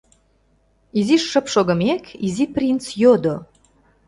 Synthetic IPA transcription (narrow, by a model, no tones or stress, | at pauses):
iziʃːə̆pʃoɣə̆mekiziprʲint͡sjod̪o